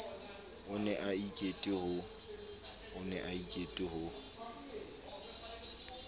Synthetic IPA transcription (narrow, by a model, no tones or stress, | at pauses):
ʊnɛʔaikʼetʼɪhʊ | ʊnɛʔaikʼetʼɪhʊ